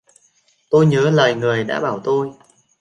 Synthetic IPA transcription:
t̪o˧jɲəː˨˦ləː˨˩jŋɨ˨˩əjɗa̰ː˧˥ɓaː˧˩wt̪o˧j

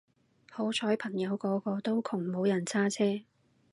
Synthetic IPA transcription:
ho˨˥wt͡ʃʰɔː˨˥jpʰɐ˨˩ŋjɐ˨˧wkɔː˨˥kɔː˧t̪o˥wkʰʊ˨˩ŋmo˨˧˥wjɐ˨˩nt͡sʰaː˥t͡sʰɛː˥

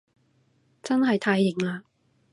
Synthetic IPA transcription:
t͡sɐ˥nɦɐ˨jt̪ʰaː˧jːɪ˨˩ŋlaː˧

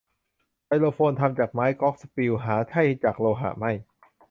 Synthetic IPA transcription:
pa˧jloː˧fʰoː˧nt̪ʰa˧mt͡ɕaː˨˩k̚maː˦˥jkɔː˦˥k̚spi˧wɦaː˩˦t̪ʰa˥˩jt͡ɕaː˨˩k̚loː˧ɦa̰˧˩ma˥˩j

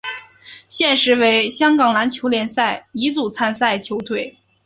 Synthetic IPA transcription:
ɕjɛ˥˩nʂɻ̩˧˥we˧˥ɪɕjɑ˥ŋkɑ˨˩ŋla˧˥nt͡ɕʰjo˧˥ʊljɛ˨˩nsa˥˩ɪi˧˥t͡su˨˩t͡sʰa˥˧nsa˥˩ɪt͡ɕʰjo˧˥ʊt̪ʰwe˥˩ɪ

